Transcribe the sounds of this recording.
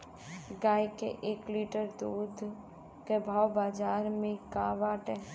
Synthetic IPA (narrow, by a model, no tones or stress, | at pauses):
ɡaːjkḛʔeːkliːʈəɾd̪uːd̪ʱ | kebʱaːwbaːd͡ʒaːɾmẽkaʋaːʈɛː